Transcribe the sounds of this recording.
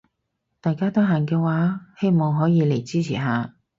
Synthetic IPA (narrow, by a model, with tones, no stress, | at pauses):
t̪aː˨jkaː˥t̪o˥ɦaː˨˩nkɛː˧waː˨˥he˥jmɔ˨˧wɦɔː˨˥jiː˨˧le˨˩jt͡siː˥t͡sʰḭː˨˩ɦaː˨˧